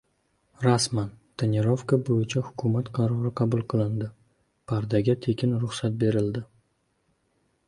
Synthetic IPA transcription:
ɾasmant̪ʰenʲeɾo̞fkabojɪt͡ʃʰahʊ̥kʲʰʊmat̪qʰɑɾɒɾɪqʰɑbʊlˠqʰɨlˠɪnd̪ɪ | pʰaɾd̪aɡʲat̪ʰe̞kʲɪnɾʊχsat̪̚be̞ɾɪld̪ɪ

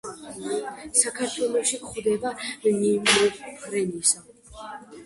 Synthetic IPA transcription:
sakʰaɾt̪ʰwɛlˠɔʃikχwd̪ɛbamnimlɛɾɛnisa

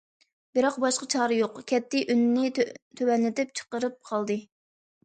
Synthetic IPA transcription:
bɪɾɑqbɑʃqɑt͡ʃʰɑːɾɨjoqkʲʰɛt̪ʰːɪʔynːɪt̪ʰøwɛnlɪt̪ɪp̚t͡ʃʰə̥qəɾɨp̚qʰɑlˠd̪ɨ

